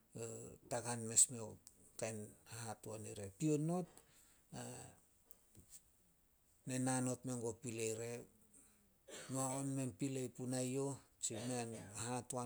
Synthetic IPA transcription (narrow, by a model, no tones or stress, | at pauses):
taɡanme̞smeokajnahatuaniɾe̞piono̞t̚ | a | nenano̞tmeŋɡopilejɾe̞ | maonmenpilejpunajo̞t͡ʃimeanahatua